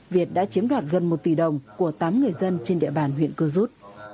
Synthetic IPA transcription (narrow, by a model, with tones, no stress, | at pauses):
vi˨˩ət̚ɗa̰ː˧˥t͡ɕi˨˦əmɗwaː˨˩t̚ɣə˨˩nmo˨˩t̚t̪i˧˩ɗə˨˩wŋ͡mku˧˩ət̪aː˨˦mŋɨ˨˩əjzə˧nt͡ɕe˧nɗḭ˧˨əɓaː˨˩nɦw̰ənkɨ˧əzu˦˥t̚